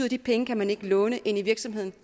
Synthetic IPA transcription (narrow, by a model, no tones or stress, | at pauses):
ðˠɐd̥ipʰeŋəkʰæmæne̝ɡ̥əlɔ̽ːnəʔe̝n̰iʋiɐɡ̥sɒ̽mɦe̝ð̰ˠn̩